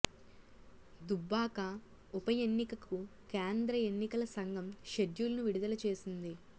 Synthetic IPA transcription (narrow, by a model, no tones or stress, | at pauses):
d̪ubːaːkɐ | upɐjenːikɐkukeːnd̪ɾɐenːikɐlɐsɐŋɡʱɐmʃed̪julɐnuʋiɽud̪ɐlɐt͡ʃe̞ːsind̪i